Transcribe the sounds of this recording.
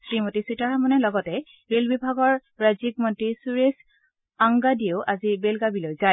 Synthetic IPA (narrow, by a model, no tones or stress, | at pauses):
sɹimotisitaɹamɔnɛlɔɡɔtɛ | ɹelbibʱaɡɔɹɹazik̚mɔntɹisuɹes | aŋɡadieʊʔazibelɡabilojzaj